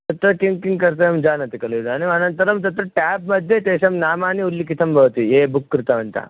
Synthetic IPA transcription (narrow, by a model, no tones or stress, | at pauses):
t̪ɐt̪ɾɐkiŋkiŋɡkɐɾt̪̬eɐmd͡ʒaːnɐt̪ikɐluid̪aːniʋɐnɐnt̪ɐɾɐmt̪̬ɐt̪ɾɐʈɛbmɐd̪ʱːjet̪eɕɐmnaːmaːniulːikit̪ʰɐmbɐʋt̪iebukːɾɪt̪ɐʋɐnt̪a̰